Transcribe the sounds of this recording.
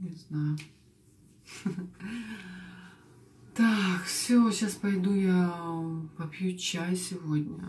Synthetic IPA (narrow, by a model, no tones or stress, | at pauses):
nʲɪznajʊ | t̪akfsʲoɕaspɐjd̪uja | pɐpʲjut͡ɕajsʲɪvod̪ʲnʲə̰